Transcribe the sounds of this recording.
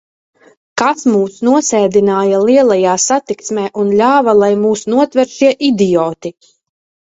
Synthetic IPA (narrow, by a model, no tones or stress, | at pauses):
kasmuːsnuɔsɛːd̪inaːjalˠiɛlˠajaːsat̪iksmɛːʔunlʲaːvalˠajmuːsnuɔt̪vɛɾʃiɛʔid̪ijɔːt̪i